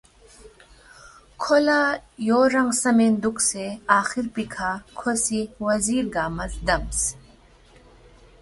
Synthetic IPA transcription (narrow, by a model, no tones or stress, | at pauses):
kʰolajoːɾɐŋɡsɐmend̪ukseaːxiɾpikʰakʰosiwɐziːɾɡaːmɐzd̪ɐms